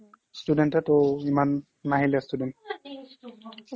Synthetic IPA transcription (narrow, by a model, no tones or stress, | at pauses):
studɛntɛtoimanː | aɦilɛstudɛnt